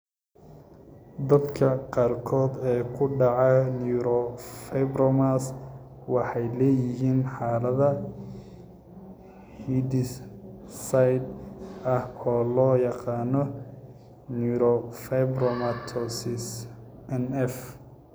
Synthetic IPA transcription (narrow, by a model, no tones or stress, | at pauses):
d̪ɐd̪kʰɐqɑːrkʰɔːd̪ɛːkʰʊɖɑʕɑnuːɾɔfɛbɾɔmas | wɑħɑjlɛːjɪɦiːnħaːlɐðɐ | hid̪ɪs | sɐjd̪ɐhɔːlɔːjɑqɑːnɔ | njuɾɔfɛbrɔmɐt̪ʰɔsɪs | ɛnɛf